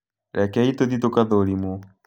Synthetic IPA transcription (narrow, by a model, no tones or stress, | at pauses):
ɾʔɛkɛit̪oðit̪okaðoɾimo